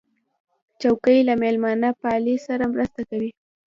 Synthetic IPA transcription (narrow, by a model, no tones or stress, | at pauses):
t͡ʃawkəjlamelmɑnapɑlisaɾamɾəst̪akawi